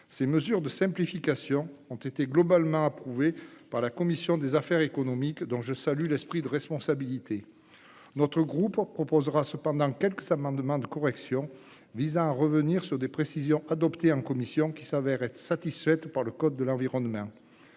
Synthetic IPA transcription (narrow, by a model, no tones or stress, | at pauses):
seməzyʁd̪əsɛ̃plifikasjɔ̃ɔ̃t̪et̪eɡlɔbalmɑ̃apχuvepaʁlakɔmisjɔ̃d̪ezafɛʁekɔnɔmikd̪ɔ̃ʒəsalylɛspχid̪əʁɛspɔ̃sabilit̪e | nɔt̪χəɡʁuppχɔpɔzʁasəpɑ̃d̪ɑ̃kʲɛlkəz̥amɑ̃d̪mɑ̃d̪əkɔʁɛksjɔ̃ | vizɑ̃aʁəvəniʁsyʁd̪epχesizjɔ̃ʔad̪ɔpt̪eɑ̃kɔmisjɔ̃kʲi̥savɛʁɛt̪χə̥sat̪isfɛt̪paʁləkɔd̪̚ːəlɑ̃viʁɔnmɑ̃